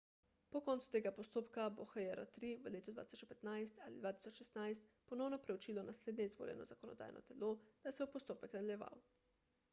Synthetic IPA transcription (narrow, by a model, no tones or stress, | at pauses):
pɔkɔnt̪su̥t̪eːɡapɔst̪oːpkaboxajɛɾat̪ɾiʋəleːt̪ud̪va̰t̪i̥sɔt͡ʃpɛt̪najst̪alḭd̪ʋaːt̪i̥sɔt͡ʃʃɛst̪najst̪pɔnɔwnɔpɾɛwt͡ʃiːlɔnasleːd̪nɛizʋo̰ːljɛ̰nɔ̰zakɔnɔ̰d̪a̰ːjnʔɔ̰t̪ɛlod̪̥asɛbɔpɔst̪oːpɛknad̪alʲjɛʋa̰w